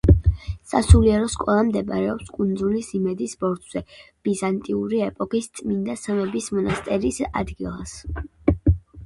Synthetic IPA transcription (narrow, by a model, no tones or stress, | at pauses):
sa̰suliɛɾɔskʼɔlˠamd̪ɛbaɾɛɔpskʼund̪zulisimɛd̪isbɔɾt̪ʰʼz̥ɛb̥izant̪ʼiuɾiɛpʼɔkist̪sʼmind̪asamɛbismɔnast̪ʼɛɾisa̰d̪ɡilˠas